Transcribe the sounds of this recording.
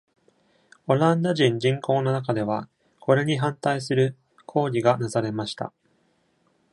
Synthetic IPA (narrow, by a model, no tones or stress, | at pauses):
o̞ɾãnd̪oʑĩɲ̟d͡ʑĩŋko̞ːno̞nak̬ad̪e̞β̞a | kʰo̞ɾe̞ɲ̟iɦãnt̪aisɨɾɯ̟ | kʰo̞ːɾʲiɡanazaɾe̞maɕi̥t̪a̰